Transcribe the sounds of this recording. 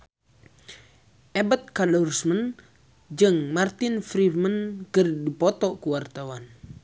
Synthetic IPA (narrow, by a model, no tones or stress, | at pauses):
ʔɛbət̪̚kalɔrsmən | d͡ʒɨŋmart̪ɪnfɾimənkərdipɔt̪ɔʔkuwart̪awan